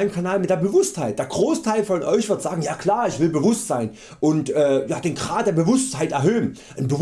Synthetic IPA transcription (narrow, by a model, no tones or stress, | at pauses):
ɪmkʰanaːlmɪt̚d̥eɐbəvʊsthaɪt̚d̥eːɐɡ̥ʁoːstʰaɪlfɔnʔɔʏçv̥ɪɐtz̥aːɡŋ̩jaːkl̥aːɐɪçv̥ɪlbəvʊstz̥aɪn | ʔʊntʔɛːjaːd̥eːnɡʁaːt̚d̥eːɐbəvʊsthaɪtʔɛɐɦøːən | ʔənbə